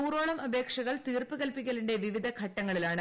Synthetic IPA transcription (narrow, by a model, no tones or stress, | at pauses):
uːɾo̞ːɭɐmɐbe̞ːkʂɐɣɐɭt̪iːrpɨɣɐlpikʲːɐluɳɖe̞ʋiʋid̪ʱɐkʰɐʈːɐŋːɐɭilaːɳɨ